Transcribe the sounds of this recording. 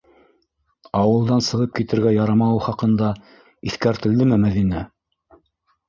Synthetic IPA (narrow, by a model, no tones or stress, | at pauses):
ɑwɤ̆lˠd̪ɑnsɤ̆ʁɤp̚kit̪ɘ̆ɾɡæjɑɾɑmɑwɤχɑqɤ̆nd̪ɑ | iθkæɾt̪ɘ̆ld̪ɘmɘmæðinæ